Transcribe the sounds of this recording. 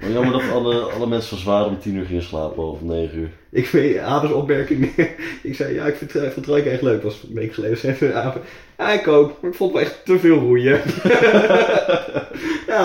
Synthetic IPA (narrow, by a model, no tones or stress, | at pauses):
na̰jɑməɹdɔtɑləɑ̰ləmɛnsəʋɔzʋaːɾɔmtinyːɹχɪŋəsla̰ːpəowvəmnejχənyːɹ | ʔɪkfeaːdəsɔpmɛɹkɪŋɪksɛjja̰ːɪkftfntawɪkɛχtløɥkʋɑsmejkəχəlejdəsɛfəaːfə | aɪkowpmaɹɪkfɔlˠtʋəɛχtəvɪːlˠrujə | jaː